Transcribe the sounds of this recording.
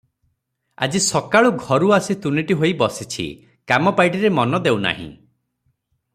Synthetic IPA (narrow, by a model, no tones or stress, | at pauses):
a̰d͡ʒisɔkaɭuɡʱɔɾuasit̪uniʈiɦojbɔsit͡ʃʰḭ | kamɔpajʈ̬iɾemɔnɔd̪ewna̰ɦḭ̃